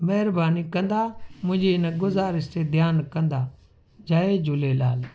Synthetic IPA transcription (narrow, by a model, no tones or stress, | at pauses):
mɐɦɪɾbaːnikɐ̃nd̪amʊ̃ɦɪ̃ɲd͡ʑeɪnɡʊzaːɾɪst̪ed̪ʱjaːnkɐ̃nd̪a | d͡ʒaːed͡ʒʊlelaːl